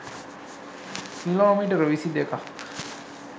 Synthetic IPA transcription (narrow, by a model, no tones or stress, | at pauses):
kiloːmiʈəɾʋisid̪eka